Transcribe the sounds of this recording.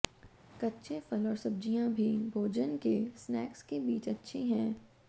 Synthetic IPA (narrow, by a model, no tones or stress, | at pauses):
kɐtːʃʰefəlɔːɾsɐb̚d͡ʒijãbʱibʱoːd͡ʒənkesnɛːkskebiːt͡ʃɐtːʃʰeɦɛ̃ː